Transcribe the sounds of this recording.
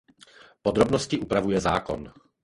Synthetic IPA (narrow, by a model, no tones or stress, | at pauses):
pod̪ɾo̞bnoscɪʔupɾavujɛza̰ːko̞̰n